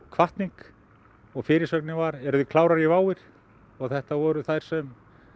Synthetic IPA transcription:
kʰvaht̪niŋk | ɔɣfɪːɾɪsœknɪvaɾɛɾʏðʏkʰlaːwɾaɾivaːwɪɾ̥ | ɔɣθɛht̪avɔɾʏθajɾ̥sɛm

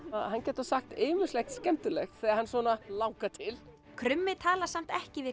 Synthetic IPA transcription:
ahancɛːt̪asaxt̪eːmʏslɛxt̪scɛmt̪ʏlɛxθɛɣaɾhanːswɔːnalaːwkat̪ʰɪl | kʰɾʏmːɪt̪ʰaːlasam̥t̪ɛhcɪvɪ

